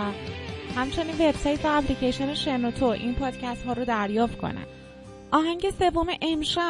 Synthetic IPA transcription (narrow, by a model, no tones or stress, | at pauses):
hæmt͡ʃʰe̞niːnve̞bsɒːjt̪væːplicʰejʃoneʃenot̪ʰoʔḭnpʰɒːd̪̥cʰæst̪hɒːɾod̪æɾjɒːft̪̚kʰo̞̰næ̰n | ʔɒːɦæɲŋɟe̞se̞vːomeʔemʃæ